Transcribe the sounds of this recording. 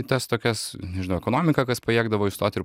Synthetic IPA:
t̪ɐst̪oːkʲɛsnʲɛʒʲɪnɐʊɛkoːnoːmʲɪkɐkɐspɐiɛɡd̪ɐʋoːɪst̪oːt̪ʲɪɾ

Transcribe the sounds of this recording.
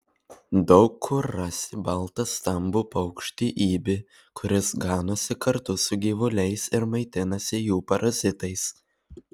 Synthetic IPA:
d̪ɒʊkʰːʊɾɐsʲɪbɐlˠt̪ɐst̪ɐmbupɐʊkʃʲt̪ʲiʔiːbʲɪ | kʰʊɾʲɪsɡɑːnoːsʲɪkɐɾt̪ʊsʊɡʲiːʋʊlʲɛɪsɪɾmɐɪt̪ʲɪnɐsʲɪjuːpɐɾʔɐzʲɪt̪ɐɪs

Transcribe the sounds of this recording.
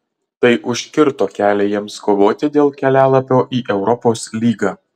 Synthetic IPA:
t̪ɐɪʔʊʃʲkʲɪɾt̪oːkʲæːlʲɛjiɛmskoːʋoːt̪ʲɪd̪ʲeːlˠkʲɛlʲæːlˠɐpʲoːʔiːʔɛʊɾɔpoːslʲiːɡɑː

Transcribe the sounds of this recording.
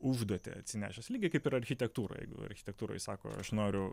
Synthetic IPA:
uʒd̪uɔt̪ʲḛɐ̰tʲsʲɪnʲæ̰ːʃʲɛsʲlʲiːɡʲɪkɐɪpɪɾɐɾʲxʲɪt̪ʲɛk̚t̪uːɾo̰jɛ̰ɪɡʊ̰ɐ̰ɾʲxʲɪ̥t̪ʲɛk̚t̪uːɾo̰ːjsɑːko̰ːɐ̰ʃnoːɾʲʊ

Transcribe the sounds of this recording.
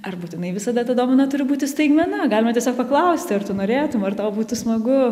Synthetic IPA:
ɐrbuːt̪ʲɪnɐɪʋʲɪsɐd̪ɐt̪ɐd̪oːmonɐt̪ʊɾʲɪbuːt̪ʲɪsʲt̪ɐɪɡmʲɛnɐɡɑːlʲɪmɐtʲɛsʲoːkpɐklˠɐʊsʲt̪ʲɪɐrt̪ʊnoːɾʲeːt̪ʊmɐrt̪ɐʊbuːt̪ʊsmɐɡʊ

